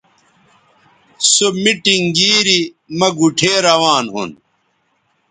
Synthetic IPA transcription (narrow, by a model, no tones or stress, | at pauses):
somiʈiŋɡiːɾi | mɐɡuʈʰeːɾɐwaːnɦṵn